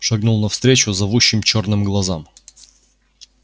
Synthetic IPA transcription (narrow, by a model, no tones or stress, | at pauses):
ʂɐɡnulˠnɐfst̪ɾʲet͡ɕʊzɐvuɕːɪmt͡ɕo̞rnɨmɡlˠɐzam